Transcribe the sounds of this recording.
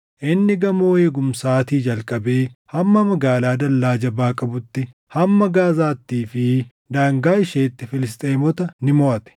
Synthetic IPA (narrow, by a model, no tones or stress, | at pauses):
ʔɪnːɪɡɐmoːeːɡʊmsaːt̪iːd͡ʒɐlkʼɐbeːhɐmːɐmɐɡaːlaːd̪ɐlːaːd͡ʒɐbaːkʼɐbʊt̪ːɪ | hɐmːɐɡaːzaːt̪ːiːfɪ | d̪aːŋɡaːɪʃeːt̪ːɪfɪlɪs̬t̪ʼeːmɔt̪ɐnɪmɔʔɐt̪ɛ̥